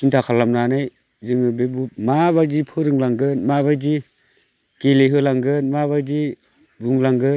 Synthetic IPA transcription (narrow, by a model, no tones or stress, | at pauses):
sintʰakʰalamnanaj | zɯŋɯbebumabad͡ʒipʰɯɾɯŋlaŋɡɯnmabad͡ʒi | keleɦɯlaŋɡɯnmaβad͡ʒi | buŋlaŋɡɯ